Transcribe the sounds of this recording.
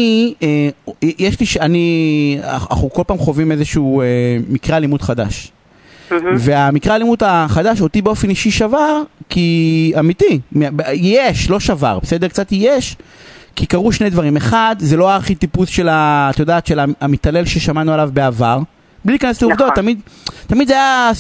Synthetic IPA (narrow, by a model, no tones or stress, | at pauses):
iejeʃliʃani | a̰χuko̞lpaːmχo̞vime̞zeʃuuemikʁealimud̪χad̪a̰ʃ | ve̞amikʁealimut̪aχad̪aʃo̞t̪ibeo̞feniʃiʃavaʁkiamit̪imbjijeʃlo̞ʃava̰ʁbese̞d̪ekt͡sat̪ijeʃkikaʁuʃne̞jd̪vaʁimeχad̪zeloaaʁχit̪ipusʃe̞lat̪ajod̪aːt̪ʃe̞laamit̪ale̞lʃe̞ʃamanualavbeavaʁ | blilikanesleuvd̪o̞t̪ːamid̪t̪amid̪zaja